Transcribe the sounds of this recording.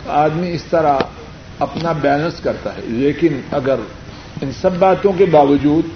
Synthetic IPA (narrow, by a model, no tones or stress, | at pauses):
aːd̪miɪst̪ɐɾa | ɐpnabɛːnəɾskɐɾt̪a̰ɦɛ̰leːkɪnɐɡəɾ | ɪnsɐbːaːt̪õkebaːʋəd͡ʒuːd̪